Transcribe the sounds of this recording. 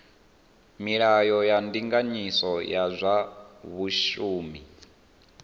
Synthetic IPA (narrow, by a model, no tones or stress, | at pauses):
miɺajɔjandiŋɡaɲisɔjazʷaβuʃuːmi